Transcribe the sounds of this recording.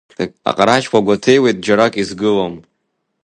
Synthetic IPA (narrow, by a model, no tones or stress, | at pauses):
eka̰qʼaɾaʃkʷaɡʷatʰejwejt̚ʼd͡ʒaɾakʼizɡɨlom